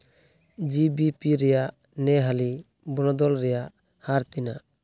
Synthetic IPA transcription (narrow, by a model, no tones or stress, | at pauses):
d͡ʒibipiɾɛjaʔ | nɛɦali | bɔñɔd̪ɔlɾɛjaʔ | haɾt̪inaʔ